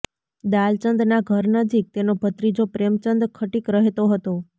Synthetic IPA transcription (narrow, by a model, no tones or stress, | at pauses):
d̪alt͡ʃənd̪naɡʱəɾnəd͡ʒik̚t̪enobʱət̪ɾid͡ʒopɾemt͡ʃənd̪ɾkʰəʈikɾəɦet̪oɦət̪o